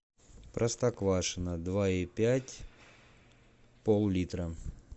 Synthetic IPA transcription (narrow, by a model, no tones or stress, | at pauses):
pɾʔəst̪ɐkvaʂɨnəd̪vaipʲætʲ | polˠlʲit̪ɾə